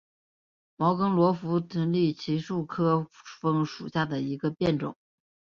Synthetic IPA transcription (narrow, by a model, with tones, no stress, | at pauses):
mɑ˧˥ʊkɤ˥ŋlwɔ˧˥fu˧˥t̪i˧˥nli˥˩t͡ɕʰi˧˥ʂu˥˩kʰɤ˥fɤ˥ŋʂṵ˨˩ɕja˥˩d̪ə˩i˧˥ɡə˧pjɛ˥˩nʈ͡ʂʊ̰˨˩˦